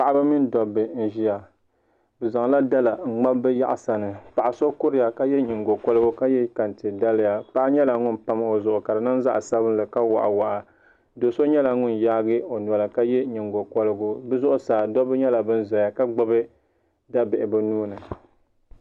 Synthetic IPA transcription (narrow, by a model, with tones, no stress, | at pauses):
pa˨ʔa˦ba˦mɪ˦n˦dɔ˨bɨ˨n̩˦ʒi˦ja˨ | bɨ˨za˨ŋ˨la˦da˦la˨ŋ͡m̩˨ŋ͡ma˦bbɨ˦ja̰˦ʔa˨sa˨nɨ˨pa˨ʔa˨so˦kʊ˦ɾɪ˦ja˨ka˦jɛ˦ɲɪ˨ŋɡo˨kɔ˦lɨ˦ɡʊ˦ka˦jɛ˦ka˨n˨ti˨da˦lɪ˦ja˨pa˦ɲɛ˦la˨ŋʊ˦npa˦m˨o˨zʊ˨ʔʊ˨ka˨dɨ˨nɨ˦nza˦ʔa˨sa˦bɨ˦n˦lɨ˨ka˦wa̰˨ʔa̰˨wa˨ʔa˨ | do˨so˦ɲɛ˦la˨ŋʊ˦njaː˦ɡɨ˦o˨n˨a˨lɨ˨ka˦jɛ˦ɲi˨ŋɡo˨kɔ˦lɨ˦ɡʊ˦bɨ˦zʊ˦ʔʊ˦saː˨dɔ˦bɨ˦ɲɛ˦la˨bɨ˦n˦za˨a˨ka˦ɡ͡bʊ˦bɨ˦ | da˦bɪ˨ʔɪ˨bɨ˨nuː˦nɨ˨